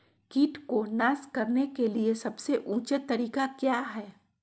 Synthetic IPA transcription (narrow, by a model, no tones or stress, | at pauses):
kiːʈkonaːskɐɾnekeliesɐbseʔũːt͡ʃət̪ːɐɾiːkakjaːɦɛː